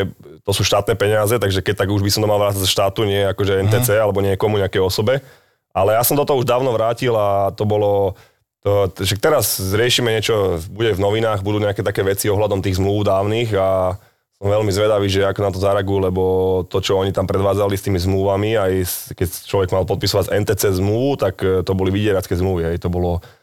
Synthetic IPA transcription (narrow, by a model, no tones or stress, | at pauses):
ɛ | t̪ɔsuːʃt̪aːt̪nɛːpɛɲɪazɛt̪aɡʒɛkɛc̚t̪aɡuʒbisɔmt̪ɔmalʋɾaːt͡sazʃt̪aːt̪uɲɪɛjɛakɔʒɛɛnt̪ɛːt͡sɛːalɛbɔɲɪɛkɔmuɲɛakɛjɔsɔbɛ | alɛjasɔmd̪ɔt̪ɔɦɔuʒd̪aːʊnɔʋɾaːcilat̪ɔbɔlɔ | ɔʃak̚t̪ɛɾazɾɪɛʃimɛɲɪɛt͡ʃɔbuɟɛvnɔʋinaːɣbud̪uːɲɛakɛːt̪akɛːʋɛt͡siɔɦlad̪ɔmt̪iːɣzmluʊd̪aːʊniːɣa | sɔmʋɛlmizʋɛd̪aʋiːʒɛakɔnat̪ɔzaɾɛaɡujulɛbɔt̪ɔt͡ʃɔɔɲit̪ampɾɛd̪ʋaːd͡zalist̪iːmizmluʋamiajskɛct͡ʃlɔʋɛɡmalpɔt̪pisɔʋaɟɛnt̪ɛːt͡sɛzmluʋut̪akt̪ɔbɔliʋiɟɪɛɾat͡skɛzmluʋiɦɛjt̪ɔbɔlɔ